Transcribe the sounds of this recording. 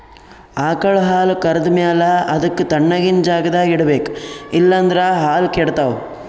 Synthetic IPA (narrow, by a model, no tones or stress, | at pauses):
aːkɐɭɦaːlkɐɾɐd̪maːlɐʔɐd̪ɐkːut̪ɐɳːɐɡind͡ʒaːɡɐd̪aːɡiɽbeːkilːɐːnd̪ɾaɦaːlkeɽt̪aːwu